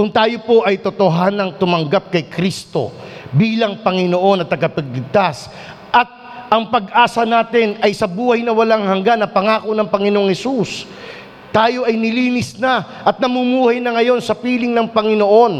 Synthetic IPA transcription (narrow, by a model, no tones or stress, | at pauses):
kʊŋt̪aːjo̞po̞ʔɐjt̪ot̪o̞ɦaːnɐŋt̪ʊmɐŋɡap̚kɐjkɾist̪o̞̰biːlɐŋpɐŋɪno̞ʔo̞nɐt̪ːɐɡɐpɐɡ̚lɪɡ̚t̪as | ʔɐt̪̚ | ʔɐŋpɐɡʔaːsɐnaːt̪ɪnɐjsɐbuːhɐjnɐwɐlaŋhɐŋɡanːɐpɐŋaːko̞nɐŋpɐŋɪnoŋhɛsus | t̪aːjo̞ʔɐjnɪliːnɪsna | ʔɐt̪̚nɐmumuːhɐjnɐŋɐjo̞nsɐpiːlɪŋnɐŋpɐŋɪno̞ʔo̞n